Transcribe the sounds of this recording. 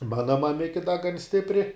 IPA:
ˈmɑːnɐ mɐˈmʲɪkʲɪ dɐ ɡɐn ˈsʲtʲɪpʲrʲɪ

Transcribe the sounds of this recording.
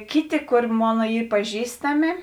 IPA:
ˈkʲɪˌtʲɪ ˈkoːr ˈmoːnɐ ˈiː pɐˈʒʲiːstɐmʲɪ

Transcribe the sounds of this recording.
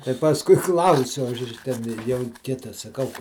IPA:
tɐɪ pɐsˈkʊɪ ˈklˠɐʊsʲʊ ˈɐʃ ˈtʲɛn ˈjɛʊ ˈkʲɪtɐ sɐˈkɐʊ

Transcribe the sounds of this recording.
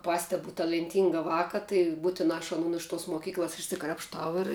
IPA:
ˈpɑːsʲtʲɛbʊ tɐlʲɛnʲˈtʲiːŋɡɐ ˈʋɑːkɐ tɐɪ ˈbuːtʲɪnɑː ɐʃ ɐˈnʊn ɪʃ toːs moːˈkʲiːklˠɐs ɪʃʲsʲɪkrɐpʃˈtɐʊ ɪr

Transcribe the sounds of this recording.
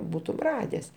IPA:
ˈbuːtʊm ˈrɑːdʲɛs

